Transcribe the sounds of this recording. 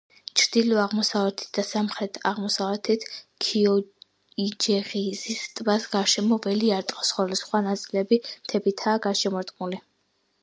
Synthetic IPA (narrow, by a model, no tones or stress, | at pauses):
t͡ʃʰɾd̪̥ilɔaʁmɔsavɛt̪ʰi̥t̪̚ʰd̪asamχɾɛt̪ʰaʁmɔsavɛt̪ʰit̪ʰkʰiɔ | id͡ʒɛʁizist̪ʼvasɡaʃɛmɔvɛliaɾt̪ʼqʼɔ̥sχɔlisχwanat̪sʼilɛbimt̪ʰɛbit̪ʰaːɡaʃɛmɔɾt̪ʼqʼmuli